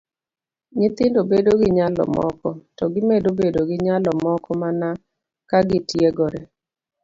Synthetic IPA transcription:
ɲɪt̪ɪndobedoɡɪɲalɔ̰mɔ̰kɔtɔɡɪmedobedoɡɪɲalɔmɔkɔmana | kaɡɪtjeɡɔɾɛ

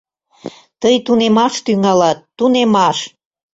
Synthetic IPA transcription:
t̪əjt̪unemɑʃt̪yŋɑlɑt̪ːunemɑʃ

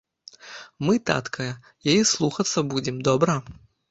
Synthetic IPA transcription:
mɨt̪a̰t̪kʰɐjɐ | jajɛslˠuxɐt̪sːɐbud͡zʲɛmd̪ɔbɾɐ

